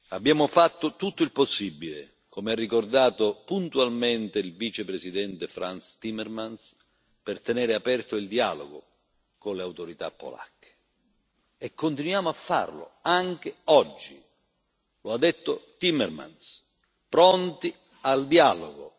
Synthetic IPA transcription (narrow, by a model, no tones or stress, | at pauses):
abːjaːmʊfat̪ːʊt̪ut̪ːʊilposːibːilḛ | komearːikord̪aːt̪ʊpunt̪ualment̪ɪilvit͡ʃepɾesid̪ɛnt̪efɾanst̪imːɛrmans | pɪrt̪enɛːɾɪapɛrt̪ʊild̪ia̰ːlo̰ɡo̰ | konleawt̪oɾit̪a̰pːo̰la̰kʰːe̥ | ɛkʰːont̪inwjaːmʊafːa̰rlʊ̰aŋk̟ɪɔd͡ʒːi | load̪ːɛt̪ːʊt̪imːɛrma̰ns | pɾɔnt̪i | ald̪ialo̰ɡo̰